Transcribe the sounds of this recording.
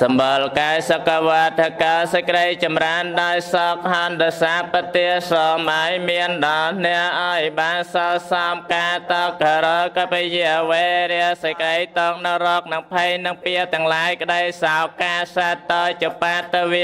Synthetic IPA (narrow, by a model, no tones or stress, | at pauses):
sɑmɓolkaɛjsokːaʋɔət̪ːəkalsəkəɗəjt͡ɕɑmraənɗaɔjsɑk̚ɦɑːnɗɑːjsaːpət̪ːiəsɑːmʔajmiənɗɑlnɛəʔaɔjɓaːnsɑːsɑːmkaːt̪ɑkaɾɔːkɑpejiəʔʋeɾɛəsəkəɗəjt̪ɔːŋnɨwrɔːk̚nɨŋpʰejnɨŋpiət̪ɛ̆əŋlajkə̆ɗəjsaɔkaːsaɛt̪ːɑt͡ɕipaːt̪ːɨʋi